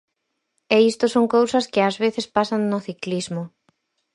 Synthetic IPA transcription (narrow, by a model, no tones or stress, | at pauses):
ɛist̪ʊsoŋkowsɐskɪazβeθɪspasaŋnʊθiklizmʊ